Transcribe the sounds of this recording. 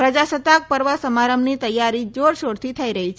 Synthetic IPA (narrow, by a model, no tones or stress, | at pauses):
pɾəd͡ʑasət̪ak̚pəɾʋəsəmaɾəmniːt̪əjːaɾiːd͡zoɾɕoɽt̪ʰiːt̪ʰaiɾəɦit͡ʃʰː